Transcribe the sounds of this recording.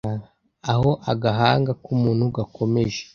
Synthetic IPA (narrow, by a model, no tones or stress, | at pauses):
a | aho̞ʔaɡaɦaːŋɡakumuːnhuɡakʰo̞me̞ʒe̥